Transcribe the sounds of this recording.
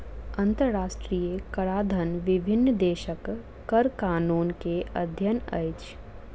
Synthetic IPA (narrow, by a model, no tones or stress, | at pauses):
ɐ̃nt̪əɾɾaːʃʈɾijəkɐɾaːd̪ʱənʋɪbʱɪnːd̪eːʃəkː | ɐɾkaːnuːnkeʔɐd̪ʱjənɐ̰jt͡ʃ